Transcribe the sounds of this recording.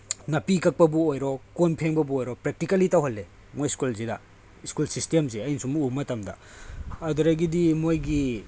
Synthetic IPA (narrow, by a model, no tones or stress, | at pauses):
nɐpikɐk̚pɐbuojɾɔkonpʰeŋbɐbuojɾɔpɾek̚tikɐlitɐwɦɐlːe | mojskulzidɐ | iskulsistemzeɐjnisumumɐtɐmdɐ̰ | ɐduɾɐjɡidimojɡi